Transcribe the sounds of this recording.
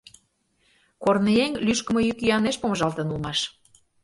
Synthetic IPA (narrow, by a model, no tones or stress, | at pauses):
kornəjeŋlyʃkə̆mɤ̆jykyɑneʃpomə̆ʒɑlt̪ə̆nulˠmɑʃ